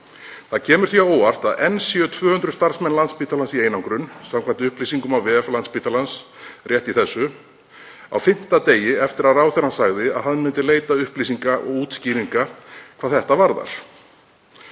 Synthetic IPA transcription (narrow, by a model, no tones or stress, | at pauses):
θaðcʰɛːmʏɾ̥θiaoːwar̥t̪aðɛnsjœt̪ʰvœːhʏnt̪ɾʏst̪aɾ̥smɛnlant̪spiːt̪ʰalansiejnawŋkɾʏnːsamkʰvant̪ɪʏhpliːsiŋkʏmawvɛːɛflant̪spiːt̪alans | rjɛht̪iθɛsːʏ | a̰wfɪn̥t̪at̪eːjɪɛft̪ɪɾaðraːwθɛnasaɣðɪa̰ðhaðmɪnt̪ɪleːjt̪aʏhpliːsiŋkaʔɔ̰ɣuːt̪sciːɾiŋkakʰaːðθɛht̪avaɾða̰ɾ̥